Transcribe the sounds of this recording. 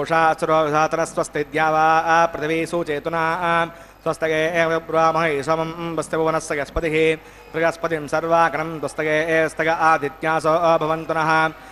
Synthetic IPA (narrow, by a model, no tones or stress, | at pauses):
oːʂaːsuɾoːd̪ʱaːt̪ɐnɐsʋɐst̪id̪jaːʋaːɐpɾɐt̪ʰiʋiːsuːt͡ʃeːt̪unɐɦɐɐ | swɐst̪ɐkeːeːbɾuaːmɐɦɐisɐmɐmbɐst̪jɐbʱɐʋɐnɐsʋɐjɐspɐt̪iɦi | pɾɐjɐspɐt̪imsɐɾʋaːkɐɾɐmd̪wɐst̪ɐkeːeːɐst̪ʰɐkɐʔad̪ʱit̪jaːsoːɐbʱɐʋɐnt̪unɐɦɐ̆